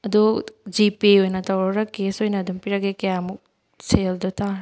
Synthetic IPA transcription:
ɐd̪ud͡ʒipiojnɐtɐwɾɐɾɐkesojnɐːdumpiɾɐɡekɐjamuk̚ | seld̪utʰa

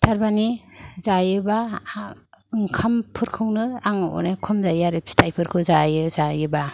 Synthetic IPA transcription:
tʰaɾbanizajɯba | ɯŋkʰampʰɯɾkʰɯwnɯaŋṵnekʰɔmzajaɾipstʰajpʰɯɾkʰɯwzajɯzajɯba

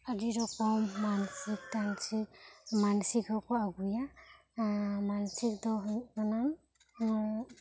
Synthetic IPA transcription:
adiɾɔkɔmːansik̚tansimansikɔkɔaɡuja | mansik̚dɔɦɔnam

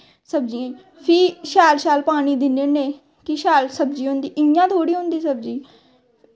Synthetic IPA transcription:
səb̚d͡ʒiːẽ | pʰɪːʃaːlʃaːlpaːɽ̃iːd̪ɪnːeːneː | kɪʃaːlsəb̚d͡ʒiːɦʊ̃nd̪iːʔɪjãːt̪ʰoːɽiːɦʊ̃nd̪iːsəb̚d͡ʒiː

